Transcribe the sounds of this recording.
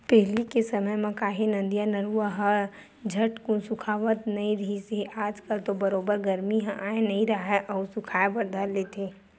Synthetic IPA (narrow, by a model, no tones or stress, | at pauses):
pɛɦlikesɐməjmɐ̃kaːɦinɐ̃nd̪ijanɐɾuaɦə | d͡ʒʱɐʈkũsʊkʰaːʋət̪nɐɦĩɾɐɦiseʔaːd͡ʒkəlt̪obɐɾoːbəɾɡɐɾmiɦãʔaːẽnɐɦĩɾɐaɦɛʔɔːsʊkʰaːebɐɾd̪ʱaːɾleːt̪ʰeː